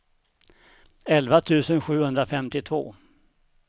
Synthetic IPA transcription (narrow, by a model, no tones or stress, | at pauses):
ɛlvat̪ʰʉ̟ːsənɧʉ̟ːhɵnd̪ɾafɛmt̪ɪt̪ʰvo̰ː